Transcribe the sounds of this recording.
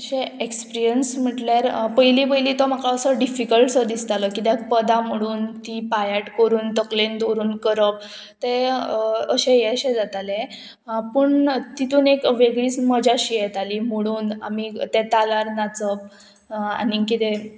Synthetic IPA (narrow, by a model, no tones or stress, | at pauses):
əɕẽekspiɾɾijənsm̤əʈljaɾpəjlip̬əjliːt̪om̤akaəsəɖifikəlʈsəd̪ist̪aləkit̪jakpəd̪am̤əɽ̃uːnt̪ipajaʈkəɾuːnt̪əklend̪oɾuːnkəɾəp̚ | t̪e | əɕẽjɛɕẽd͡zat̪alẽ | pəɳt̪it̪uːnekʋeɡɭiːt͡sməd͡ʑaɕiːjɛt̪alim̤əɽuːna̰mit̪ẽt̪alaɾnat͡səp̚ | a̰nikit̪e